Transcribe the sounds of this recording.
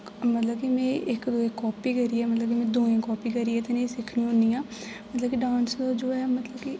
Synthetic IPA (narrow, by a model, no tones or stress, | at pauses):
mət̪ləbkimɛ̃ːʔɪkd̪oːẽkɔːpiːkəɾiːɛːmət̪ləbkimɛ̃ːd̪oːẽːkɔːpiːkəɾiːɛːt̪ẽnẽːsɪkʰɽĩːõniːãː | mət̪ləbkiɖãːnsd̪aːd͡ʒoːɛːmət̪ləbki